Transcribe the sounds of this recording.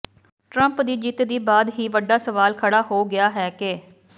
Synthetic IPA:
ʈɾəmpd̪iːd͡ʒiːt̪d̪iːbaːd̪ɦiːʋəɖːaːsəʋaːlkʰəɽaːɦoːɡɪjaːɦɛːkeː

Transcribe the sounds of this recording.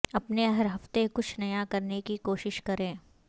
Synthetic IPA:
ɐpneɦɐɾɦɐft̪ekʊt͡ʃʰnɐjakɐɾnekikoːʃɪʃkɐɾẽː

